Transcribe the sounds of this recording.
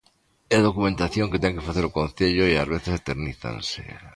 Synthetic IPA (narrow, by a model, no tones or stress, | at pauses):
eð̞o̞kumẽnt̪aθjõ̞ŋket̪eŋkefaθeɾokõn̟θeʎoiazβ̞eθeset̪eɾniθa̰nsḛ